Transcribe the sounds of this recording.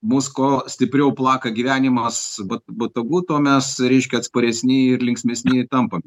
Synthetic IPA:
muːskoːsʲt̪ʲɪpʲɾʲɛʊplˠɑːkɐɡʲiʋʲæːnʲɪmɐsbɐtbɐt̪oɡuːt̪oːmʲɛsɾʲɛɪʃʲkʲɛɐt̪spɐɾʲɛsʲnʲɪɪrlʲɪŋksʲmʲɛsʲnʲɪt̪ɐmpɐmʲ

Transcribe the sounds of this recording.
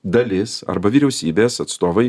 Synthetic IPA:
d̪ɐlʲɪsɐ̰ɾbɐʋʲiːɾʲɛʊsʲiːbʲeːsɐt̪st̪oːʋɐɪ

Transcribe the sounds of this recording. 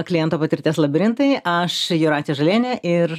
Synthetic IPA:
klʲɪjɛnt̪oːpɐt̪ʲɪɾʲt̪ʲeːslˠɐbʲɪɾʲɪnt̪ɐɪʔɐʃjuɾɑːt̪ʲijɛʒɐlʲeːnʲɛʔɪr

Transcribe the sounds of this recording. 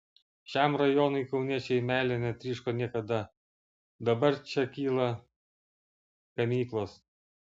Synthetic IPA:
ʃʲɛˑmɾɐjoːnʊɪkɒʊnʲiɛt͡ʃʲɛɪmʲæːlʲenʲɛt̪ʲɾʲiːʃkoːnʲiɛkɐd̪ɐ | d̪ɐbɐɾt͡ʃʲɛkʲiːlˠɐ | kɐmʲiːklˠoːs

